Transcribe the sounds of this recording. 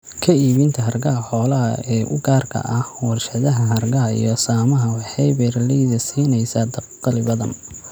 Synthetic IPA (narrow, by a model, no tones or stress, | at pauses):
kʰɐiːβɪnt̪ʰɐɦɐrɡɐɦɐħɔːlɐɦɐ̰ɛːʔʊ̰ɡaːrkʰɐ̰ʔɐhwɐrʃɐðɐɦɐɦɐrɡɐɦɐḭjɔsaːmɐɦɐwɑħɑjbɛrlɛjðɐsiːnɛjsaːd̪ɐ | qɑlɪβɐðɐ̰m